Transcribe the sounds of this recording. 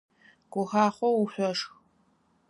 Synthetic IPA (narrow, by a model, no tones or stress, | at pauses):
ɡ̥ʷʊxaːχʷɔuħʷɔʂx